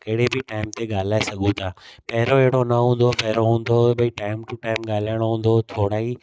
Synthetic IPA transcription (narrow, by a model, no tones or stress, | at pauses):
kɐɦɪɽebɪʈaːɪmt̪eɠaːl̤aːesɐɠũt̪ʰaːpɐɦɪɾoɛɦɪɽonɐɦũːn̆d̪opɐɦɪɾoɦũːn̆d̪oɓɐiʈaːɪmʈuʈaːɪmɠaːl̤ajəɽ̃oɦũːn̆d̪ot̪ʰoːɽaːɦi